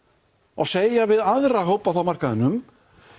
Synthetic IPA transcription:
a̰ɣseːjavɪðaðɾaɦowpaθawmar̥kaðʏnːʏm

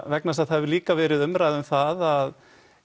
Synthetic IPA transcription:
vɛknast̪aðhɛvɪliːkavɛːɾɪðʏmɾajðʏmθaðað

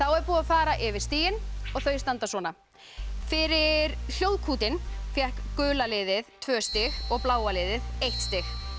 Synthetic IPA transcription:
θawɛɾpuːðaðfaːɾaʔɪvɪɾ̥st̪iːjɪnɔɣθœɥst̪ant̪aswɔːna | fɪɾɪɾl̥jowðkʰuːt̪ɪnfjɛhkːʏːlalɪːðɪðt̪ʰvœːst̪ɪxɔɣplaːwalɪːðɪðejht̪st̪ɪx

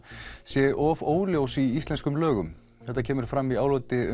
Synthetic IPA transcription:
sjɛʔɔvoːwljowsiist̪lɛnskʏmlœːɣʏm | θɛht̪acʰɛːmɪɾ̥fɾamːiaːwlot̪ɪʏ

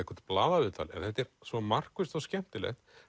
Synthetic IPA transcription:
ɪhkʰvɛɾ̥t̪̚plaːðavɪt̪ʰa̰lɛ̰nθɛht̪ːɛɾsvɔmar̥kvʏst̪ɔscɛm̥t̪ɪlɛ̰xt̪

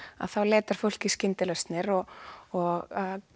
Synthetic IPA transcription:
a̰ðθawlɛːt̪aɾ̥fowl̥ciscɪnt̪ɪlɛst̪nɪɾɔɔɣa

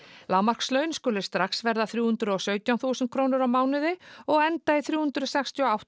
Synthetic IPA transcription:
laːwmar̥kslœːɥnskʏːlɪ̥st̪ɾaksvɛɾðaθɾjuːhʏnt̪ɾʏɔsœːɥt̪jawnθuːsɛn̚kʰɾoːwnɪɾawmaːwnʏðɪɔɣɛnt̪aɪθɾjuːhʏnt̪ɾʏsɛkst̪iɔawt̪

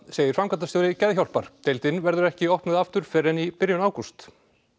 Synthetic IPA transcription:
seːjɪɾ̥fɾamkat̪ast̪œːɾɪcɛðçawl̥paɾ̥t̪ʰejlt̪ɪnvɛɾðʏɾɛhcɪɔhpnɪðaft̪ʏɾ̥fɛːɾɛnipɪɾjʏnaːwkust̪

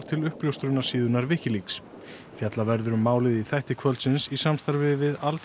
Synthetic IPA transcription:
ɾt̪ʰɪlʏhpljowst̪ɾʏnḁsiːðʏnaɾvɪhcɪliks | fjat̪lavɛɾðʏɾʏmːaːwlɪðiθajht̪ɪkʰvœlt̪sɪnsisamst̪aɾvɪvɪðalt̪

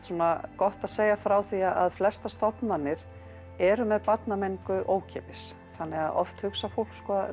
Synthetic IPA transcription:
t̪sunakɔht̪aðseːjafɾaːwθiaʔaðflɛst̪ast̪ɔpnanːɪɾ | ɛɾʏmɛðpat̪namenkʏʔoːwcʰɛːpɪs | θanːɪɣaðʔɔ̰ft̪hʏksafowl̥kskɔ

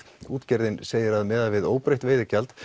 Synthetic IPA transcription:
uːt̪cɛɾðɪnseːjɪɾaðmɛːðaðvɪðoːwpɾejht̪veːjðɪcalt̪

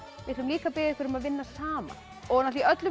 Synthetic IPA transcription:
jɪɾt̪ːʏmliːkapɪːðɪkʰʏɾʏmaðvɪnːasaːma̰ | ɔɣnat̪iʔœt̪lʏ

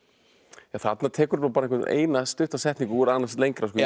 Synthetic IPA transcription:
aθat̪nat̪ʰɛːkʏɾapaɾɛ̃kvɛt̪nʔḛːjnast̪ʏht̪asɛht̪niŋkʏɛɾaːnast̪lejŋkɾas̬kː

